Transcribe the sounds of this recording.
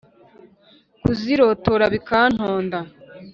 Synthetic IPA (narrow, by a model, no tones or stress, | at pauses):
kuziɾo̞toɾaβikaːn̥hoːnda